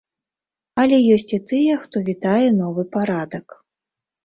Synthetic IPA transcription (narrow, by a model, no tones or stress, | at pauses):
ɐlʲɛjɔsʲt͡sʲit̪ɨjɛxt̪ɔvʲit̪ajɛnɔvɨpaɾad̪ɐk